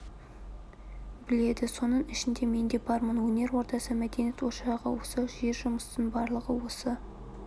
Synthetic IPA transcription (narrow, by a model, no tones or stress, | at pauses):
bɪle̞d̪ɪso̞nəɴɪʃɪnd̪e̞me̞nd̪e̞bɑɾmənwɵne̞ɾwo̞ɾt̪ɑsəmæd̪e̞net̪wo̞ʃɑʁə̰wosəʒe̞ɾʒʊməst̪əɴbɑɾlˠəʁəwo̞sə